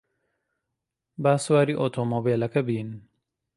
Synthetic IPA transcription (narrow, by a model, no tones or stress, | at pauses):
baːswaːɾiʔot̪ʰomoːbeːlɐkɐbiːn